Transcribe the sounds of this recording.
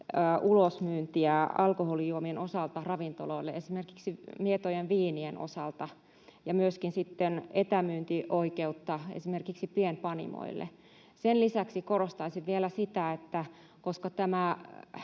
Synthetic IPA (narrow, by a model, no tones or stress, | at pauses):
ʔulosmyːnt̪iæɑlkoholijuomienosɑlt̪ɑrɑʋint̪oloilːeesimerkiksimiet̪ojenʋiːnieno̰sɑlt̪ɑ | jɑmyøskinsit̪ːenet̪æmyːnt̪iʔoikeut̪ːɑḛsimerkiksipienpɑnḭmo̰ḭlːḛ | senlisæksikorost̪ɑisiʋʋielæsit̪æet̪ːæ | koskɑt̪æmæ